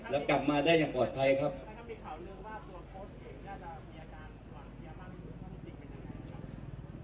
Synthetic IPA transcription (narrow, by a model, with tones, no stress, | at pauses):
lɛ˦˥wkla˨˩p̚maː˧daː˥˩jaː˨˩ŋpɔː˨˩t̪̚pʰa˧jkʰa˦˥p̚mi˧kʰaː˨˩wlɯ˧əŋwaː˥˩t̪u˧pʰo˦˥se˨˧˩miː˧ʔa˧kaː˧n | a˨˩˧a˧a˥˩˧u˨˩˥p̪i˨˧˩pa˧nja˧˩ŋːa˧˩˧a˦˥˦